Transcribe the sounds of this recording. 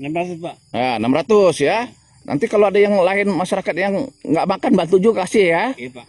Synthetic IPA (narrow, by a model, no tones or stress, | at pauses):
namat̪ | janamɾat̪ʊsja | nʔa̰nt̪ikaloadajaŋlaɪnmaʃaɾakat̪̚jaŋːɡaʔmakanbant̪ud͡ʒukasɪhja